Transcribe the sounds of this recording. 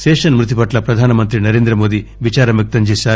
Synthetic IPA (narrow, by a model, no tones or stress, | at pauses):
seːʂɐnmɾut̪̬ipɐʈlɐpɾɐd̪ʱaːnɐmɐnt̪ɾinɐɾe̞ːnd̪ɾɐmoːd̪iʋit͡ʃaːɾɐmjɐk̚t̪ɐɲt͡ʃeːʃaː